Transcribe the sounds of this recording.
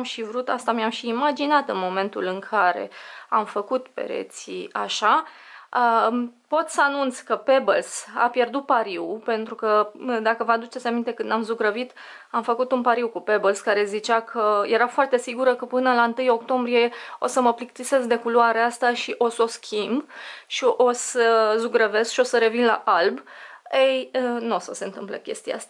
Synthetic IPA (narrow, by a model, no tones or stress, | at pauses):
mʃivɾut̪a̰st̪amamʃiːmad͡ʒinat̪ɨnmo̞me̞nt̪ulɨŋkʰaɾe̞̰amfəkut̪pḛɾḛt̪sḭa̰ʃa | əpo̞t̪səanunt̪sʲkəpe̞bəlsa̰pje̞rd̪ut̪̚paɾiwpe̞nt̪ɾukəd̪akəvad̪ut͡ʃesʲamint̪e̞kɨnd̪amzuɡɾəvit̪ | amfəkut̪unpaɾiwkupe̞bəlskaɾe̞zit͡ʃakʰəje̞ɾafoart̪e̞siɡuɾəkəpɨnəlaɨnt̪ɨjo̞kt̪o̞mbɾije̞o̞səməplik̚t̪ise̞zd̪e̞kuluaɾeast̪aʃiʔo̞so̞skʲʰimbʃiʔo̞səzuɡɾəve̞skʃio̞səɾe̞vinla̰ʔalbejnuosəse̞nt̪ɨmplə̰kʲe̞st̪ija̰ast̪a